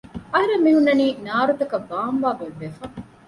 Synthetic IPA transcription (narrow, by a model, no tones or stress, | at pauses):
ɐɦɐɾemːiɦunːɐniːnaːɾut̪ɐkɐbaːmʋaːɡɐʋːefɐŋ